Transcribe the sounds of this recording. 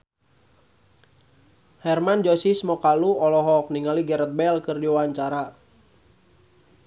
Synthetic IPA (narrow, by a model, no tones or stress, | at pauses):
hɛrmand͡ʒɔsismɔkaluɔlɔɦɔk̚niŋaliɡɛɾət̪̚bɛlkɨrdiwaɲt͡ʃaɾa